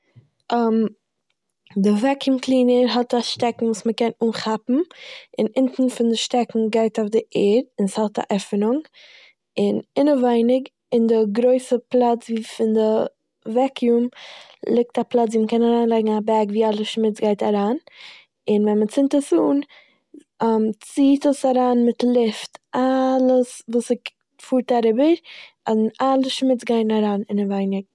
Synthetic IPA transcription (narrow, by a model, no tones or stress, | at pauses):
am | dɪvɛkjumklˠiːnəɾɦɔtaʃtɛkŋ̩vuːsməkɛnuːnχapm̩ɪnɪntn̩fɪndɪʃtɛkŋ̩ɡaɪtaʊfdɪʔɛːdɪnshɔlˠta̰ʔɛfənʊŋ | ɪnɪnəvaɪnɪɡ | ɪndɪɡɾoɪsəplˠat͡sviːfɪndɪ | vɛkjumlˠɪk̚taplˠat͡sviːməkɛnaɾaːnlˠaɪɡŋ̩abɛɾɡviːalˠəʃmɪt͡sɡaɪtaɾaːn | ɪnvɛnmət͡sɪntəsuːn | mt͡siːtəsaɾaːnmɪtlˠɪftʔalˠəsvuːsɪk | fuːɾtaɾɪbəɾ | analˠəʃmɪt͡sɡaɪnaɾaːnɪnəvaɪnɪɡ̚